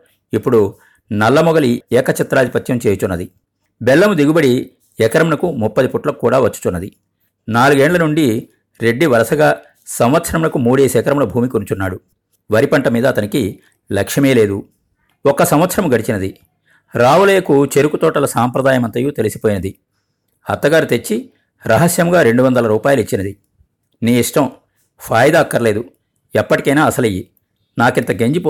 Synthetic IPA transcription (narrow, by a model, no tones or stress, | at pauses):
ipːuɽu | nɐlːɐmɔɡɐliɛːkɐt͡ʃɛt̪ːɾaːd̪ipɐt̪jɐmt͡ʃeːjut͡ʃunːɐd̪i | bɛlːɐmud̪iɡubɐɽi | ɛkɐɾɐmunɐkumupːɐd̪ipuʈlɐkukːuːɽaːʋɐt͡ʃːu̥t͡ʃunːɐd̪i | naːluɡeːɳlɐnuɳɖi | ɾe̞ɖːiʋɐɾɐsɐɡaː | sɐmʋɐt̪sɐɾɐmunɐkumuːɽeːsɛːkɐɾɐmulɐbʱuːmikunt͡ʃunːaːɽu | ʋɐɾipɐɳʈɐmiːd̪ɐːt̪ɐniki | lɐkʂɐmeːle̞ːd̪u | ɔkːɐsɐmʋɐt̪sʰɐɾɐmuɡɐɽit͡ʃinɐd̪i | ɾaːʋɐleːkut͡ʃe̞ɾukut̪ɔːʈɐlɐsaːmpɾɐd̪aːjɐmɐnt̪ɐjuːt̪elisi̥poːjinɐd̪i | hɐ̰t̪ːɐɡaːɾut̪e̞t͡ʃːi | ɾɐɦɐsjɐmɡaːɾe̞ɳɖuʋɐnd̪ɐlɐɾuːpaːjɐluit͡ʃːinɐd̪i | niːiʂʈɐm | pʰaːjɐd̪aːɐkːɐɾle̞ːd̪u | ɛpːɐʈikɐjnaːɐsɐlɐjːi | naːkint̪ɐɡeɲd͡ʒip